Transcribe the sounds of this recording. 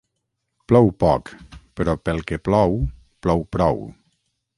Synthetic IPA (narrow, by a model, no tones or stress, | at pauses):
plɔwpɔkpəɾɔpəlˠkeplɔw | plɔwpɾɔw